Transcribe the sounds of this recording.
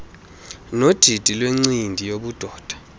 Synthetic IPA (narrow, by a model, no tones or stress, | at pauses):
nod̥ʱid̥ʱilweŋ͡ǀindʱijoɓud̥ʱɔːd̥ʱḁ